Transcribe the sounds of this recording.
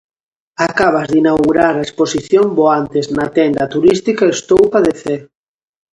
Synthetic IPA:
akaβ̞azðinawɣuɾaɾaesposiθjomboant̪eznat̪ɛnd̪ɐt̪uɾist̪ikaest̪owpaðeθeɾ

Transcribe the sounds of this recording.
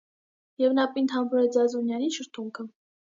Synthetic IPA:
jɛvnɑpint̪ʰɑmbuɾɛd͡zɑzunjɑniʃəɾt̪ʰuŋkʰə

